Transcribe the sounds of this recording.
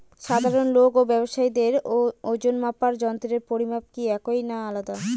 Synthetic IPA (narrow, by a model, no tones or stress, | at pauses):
ʃad̪ʱaɾonlokobɛboʃaid̪eɾood͡ʑonmapaɾd͡ʑɔnt̪oɾeɾpoɾibʱab̚kiɛkojnaalad̪a